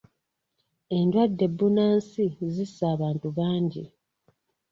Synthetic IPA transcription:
e̞ndwadːe̞bːunaːnsizisːaːβaːntuβaːɲɟi

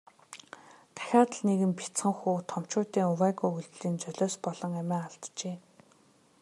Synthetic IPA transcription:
t̪ʰæ̥xʲaːt̪ə̆ɮneɣɘ̆mpi̥t͡sχə̆ŋxuːt̪ʰɔm̥t͡ɕʊːt̪iːŋʊwæːɣuːuɮt̪ɮiːnt͡sœɮʲɔːspɔɮ̥ɞ̆ŋæmʲæːaɮt̪t͡ɕeː

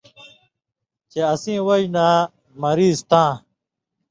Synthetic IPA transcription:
t͡ɕeɐsĩːwɐd͡ʑnaː | mɐɾiːzt̪ãː

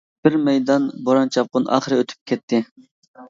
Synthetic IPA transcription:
b̥ɪɾmɛjd̪ɑnboɾɑnt͡ʃʰɑp̚qʊnɑ̰ːχəɾɨøt̪ʰy̥p̚kʲʰɛt̪ʰːɪ

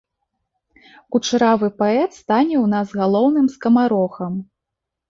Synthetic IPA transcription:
kut͡ʂɾavɨpaɛt̪st̪anʲɛwnazɣalˠɔwnɨmskɐmaɾɔxɐm

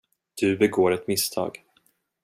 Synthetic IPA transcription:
d̪̥ɵbɛɡoːɾɛt̪mɪst̪ʰɑ̰ːɡ

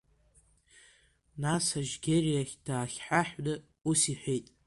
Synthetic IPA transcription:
nasaʒɡʲerijaχʲd̥aːχʲħaħnɨ | usiħʷᶣejtʼ

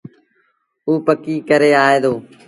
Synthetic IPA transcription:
uːpəkiːkəɾeːaːɦeːd̪oː

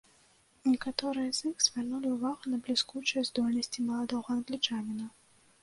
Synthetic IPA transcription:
nʲɛkat̪ɔɾɨjɐzʲixz̥ʲvʲarnulʲiuvaɣɐnɐblʲiskut͡ʂɨjɐzd̪ɔlʲnɐsʲt͡sʲimɐlˠad̪ɔɣɐɐnɡlʲit͡ʂanʲɛnɐ

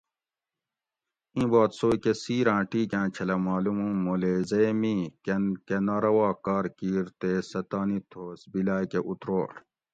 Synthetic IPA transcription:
ĩːbaːt̪soːkesiːɾãːʈiːkãːt͡ɕʰɐlɐmaːlumũmoːlezejmĩːkenkenaːɾɐwaːkaːɾkiːɾt̪esɐt̪aːnit̪ʰoːsbilaːjkeʔut̪ɾoːʈ

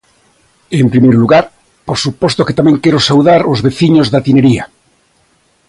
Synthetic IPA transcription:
empɾimejɾluɣaɾ | poɾsupost̪oket̪amẽŋkeɾosawðaɾozβeθiɲozðat̪ineɾia

